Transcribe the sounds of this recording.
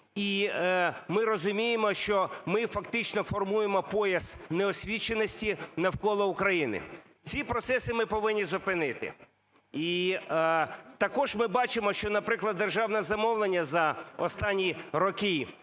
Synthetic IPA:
i | mɪɾɔzʊmʲijemɔʃt͡ʃɔmɪfɐkt̪ɪt͡ʃnɔfɔrmujemɔpɔjɐsnɛɔsʲʋʲit͡ʃːenɔsʲtʲinɐwkɔlˠɔukɾɐjinɪ̰ | t͡sʲipɾɔt̪sɛsɪmɪpɔʋɪnʲːizɔpɪnɪt̪ɪ̰ | i | t̪ɐkɔʒmɪbɑt͡ʃɪmɔʃt͡ʃɔnɐpɾɪklˠɐd̪ːerʒɑwnɛzɐmɔwlˠenʲːɐzɐɔst̪ɑnʲːiɾɔkɪ

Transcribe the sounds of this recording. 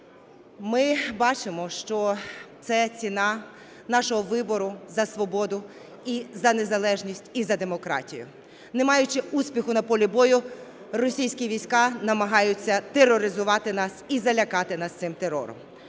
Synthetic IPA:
mɪbɑt͡ʃɪmɔʃt͡ʃɔt̪sɛt͡sʲinɑ | nɑʃɔɦɔʋɪbɔɾʊzɐsʋɔbɔd̪ʊ | izɐne̞zɐlˠɛʒnʲisʲtʲizɐd̪e̞mɔkɾɑ̰tʲijʊ̰ | nemɑjʊt͡ʃɪusʲpʲixʊnɐpɔlʲibɔjʊ | rɔsʲijsʲkʲiʋʲijsʲkɑnɐmɐɦɑjʊt͡sʲːɐt̪erːɔɾɪzʊʋɑt̪ɪnɑsizɐlʲɐkɑt̪ɪnɑst̪sɪmt̪eɾɔ̰ɾɔ̰m

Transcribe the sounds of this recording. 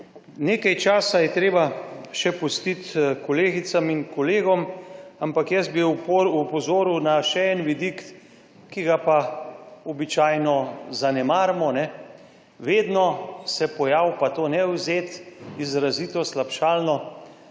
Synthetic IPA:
neːkajt͡ʃaːsajɛt̪ɾeːbaʃɛpust̪it̪kɔleːɡisamiŋkɔleːɡɔmampakjɛst̪̚biupɔzoːɾuwnaʃɛɛnʋid̪ikː | iɡapaɔbit͡ʃaːjnɔzanɛmaːɾmɔnɛ | ʋeːd̪nɔsɛpɔjaːwpat̪oːnɛwzeːt̪izɾazit̪ɔslapʃaːlnɔ

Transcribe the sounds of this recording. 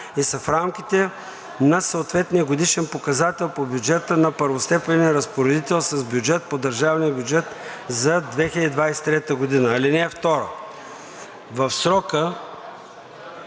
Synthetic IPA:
isɐfɾamkʲit̪ɛ | nɐsəːt̪vɛt̪nijəɡod̪iʃɛnpokɐzat̪ɛlˠpobʲjud͡ʒɛt̪ənɐpəɾvost̪ɛpɛniɾɐspoɾɛd̪it̪ɛlˠsɐzbjud͡ʒɛt̪̚pod̪əɾʒavniəbʲjʊd͡ʒɛt̪zɐd̪vɛxʲɪlʲəd̪id̪vajsɛ̥t̪ɾɛt̪əɡod̪inəːlinɛːft̪ɔɾə̰ | vɐfsɾɔkə

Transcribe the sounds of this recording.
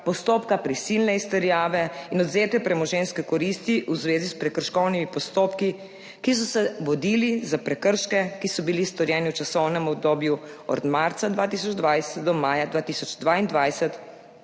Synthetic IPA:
pɔst̪oːpkapɾisilnɛist̪ɛɾjaːʋɛinɔd̪zeːt̪ɛpɾɛmɔʒenskɛkɔɾist̪iʔuzʋeːzispɾɛkəɾʃkɔwnimipɔst̪oːpki | kis̬ɔsɛʋɔd̪ilizapɾɛkəɾʃkɛkisɔbilist̪ɔɾjɛːniwt͡ʃasɔwnɛmɔb̚d̪oːbjuɔ̰d̪maɾt̪sad̪ʋaːt̪iːs̬ɔd͡ʒd̪ʋajsɛt̪d̪ɔmaːjad̪ʋaːt̪iːsɔd͡ʒd̪ʋaind̪ʋajsɛt̪

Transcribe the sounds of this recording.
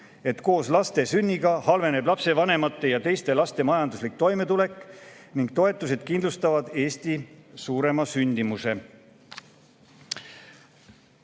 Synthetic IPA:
e̞t̪ko̞ːslɑst̪e̞synʲːiɡ̥ɑhɑlve̞ne̞blɑpse̞vɑne̞mɑt̪ːe̞jɑt̪e̞jst̪e̞lɑst̪e̞mɑjɑnd̪uslik̚t̪o̞jme̞t̪ule̞kːˑ | niŋɡ̥̚t̪o̞e̞t̪ːˑuse̞d̪̥̚kind̪lust̪ɑvɑd̪̥e̞ːst̪isuːɾe̞mɑsynʲd̪imuse̞

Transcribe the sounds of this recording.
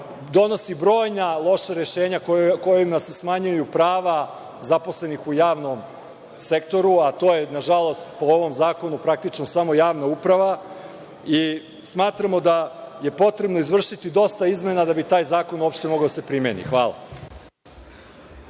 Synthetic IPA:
d̪o̞no̞sibɾo̞ːjnalˠo̞ʃaɾe̞ʃe̞ːɲakoko̞jimasesmaɲujupɾaːʋa | zapo̞sle̞nixujaːʋno̞m | se̞k̚t̪o̞ɾuat̪o̞ːje̞naʒalˠo̞st̪pooʋo̞mzaːko̞nupɾak̚t̪it͡ʃnosamo̞jaːʋnaupɾaʋa | i | smaːt̪ɾamo̞d̪aje̞po̞t̪ɾe̞bno̞izʋr̩ʃit̪id̪o̞st̪aizme̞nad̪abit̪aːjzaːko̞nuopʃt̪e̞moɡaod̪asepɾimjenḭxʋaːla̰

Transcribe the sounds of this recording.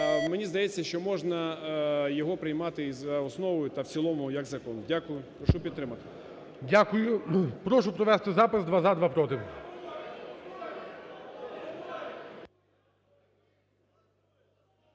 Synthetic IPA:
menʲizd̪ɐjɛt͡sʲːɐʃt͡ʃɔmɔʒnɐjɔɦɔpɾɪjmɑt̪ɪzɐɔsnɔʋɔjʊt̪ɐwt͡sʲilˠɔmʊjɐɡzɐkɔndʲakʊjʊpɾɔʃupʲid̪t̪ːɾɪmɐt̪ɪ̥ | dʲakʊjʊpɾɔʃʊpɾɔʋɛst̪ɪzɑpɪsd̪ʋazad̪ʋɑpɾɔt̪ɪw

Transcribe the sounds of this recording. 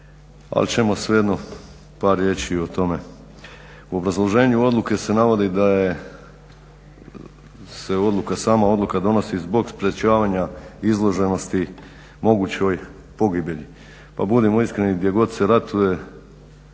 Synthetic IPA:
a̰lt͡ɕe̞mo̞sʋejed̪no | paːɾje̞t͡ʃiot̪o̞me̞ | uo̞bɾazlˠo̞ʒe̞ːɲuo̞d̪luke̞se̞naʋo̞d̪id̪aje | se̞o̞d̪lˠukasaːmao̞d̪lˠukad̪o̞no̞sizbo̞ɡspɾe̞t͡ɕaːʋaɲaizlˠo̞ʒe̞no̞st̪i | mo̞ɡut͡ɕo̞j | po̞ɡibjeʎi | pa̰bud̪imo̞iskɾe̞niɡd̪ʲje̞ɡo̞d̪se̞ɾat̪uje̞

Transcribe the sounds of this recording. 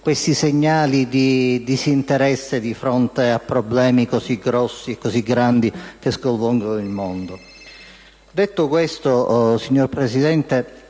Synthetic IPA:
kwest̪iseɲːaːlid̪id̪izint̪eɾɛsːed̪ifɾont̪eapːɾoblɛːmikoziɡɾɔsːiekːoziɡɾand̪ik̟eskolvɔŋɡonilmond̪o | d̪et̪ːʊkwest̪osiɲːorpɾesid̪ɛnt̪e

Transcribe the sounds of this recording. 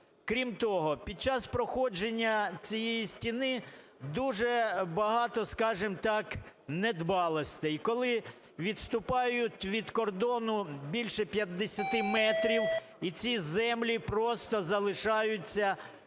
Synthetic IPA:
kɾʲimt̪ɔɦɔpʲid̪̚t͡ʃɑspɾɔxɔd͡ʒenʲːɐt͡sʲijejisʲtʲinɪ | d̪uʒɛbɐɦɑt̪ɔskɑʒɪmt̪ɑk | nɛd̪bɑlˠɔsʲt̪ɛjkɔlˠɪ | ʋʲid̪st̪ʊpɑjʊtʲʋʲid̪kɔrd̪ɔnʊbʲilʲʃɛpʲjɐd̪ːesʲɐt̪ɪmɛt̪ɾʲiw | it͡sʲizɛmlʲipɾɔst̪ɔzɐlˠɪʃɑjʊt͡sʲːɐ

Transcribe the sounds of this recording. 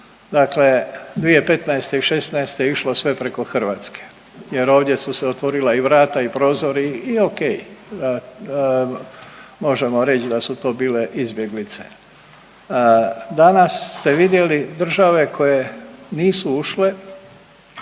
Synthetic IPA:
d̪akle̞d̪ʋije̞pe̞t̪naest̪eiʃe̞snaest̪ejeiʃlosʋe̞pɾeko̞xr̩ʋaːt̪ske̥ | je̞ɾo̞ːʋd̪je̞suseot̪ʋo̞ɾilaiʋɾaːt̪aipɾo̞ːzo̞ɾiːoke̞j | mo̞ʒe̞mo̞ɾe̞t͡ɕd̪asut̪o̞ːbiːle̞ʔizbje̞ɡlit̪se̞̥̰ | d̪anasːt̪e̞ʋid̪je̞lid̪r̩ʒaʋe̞kʰo̞je̞niːsuuʃle̞

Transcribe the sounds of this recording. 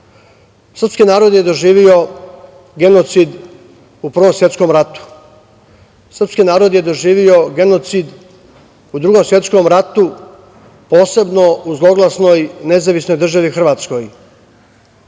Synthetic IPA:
sr̩pskinaːɾo̞d̪je̞d̪o̞ʒiːʋio̞ | ɡe̞not̪sid̪ | upr̩ʋo̞msʋje̞t̪sko̞mɾat̪u̥ | sr̩pskinaːɾo̞d̪je̞d̪o̞ʒiːʋio̞ɡe̞no̞t̪sid̪ | ud̪ɾuɡo̞msʋje̞t̪sko̞mɾat̪u | po̞ːse̞bno̞uzlˠo̞ɡlˠasno̞jne̞zaʋisno̞jd̪r̩ʒaʋixr̩ʋaːt̪sko̞j

